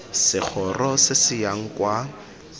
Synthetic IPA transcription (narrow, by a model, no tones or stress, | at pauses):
sɪk͡xʰɔrɔsɪsɪjaŋ̩kwa